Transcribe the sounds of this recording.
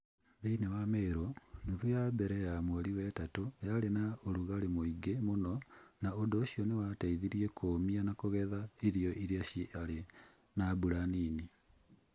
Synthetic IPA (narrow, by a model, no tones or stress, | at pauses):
ðiːnewameiɾonuðujabɛɾɛjamwoliwɛtatojalenaoɾuɣaɾemoiɡemononaodoʃionewataiðiɾiekʰoːmianakoɣɛðaiɾijoʔiɾjaʃale | nabuɾaniːni